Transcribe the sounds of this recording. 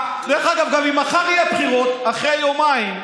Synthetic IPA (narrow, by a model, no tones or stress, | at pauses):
ʁeχaɡavɡamimaχaʁijapχiʁo̞t̪aχʁejomaim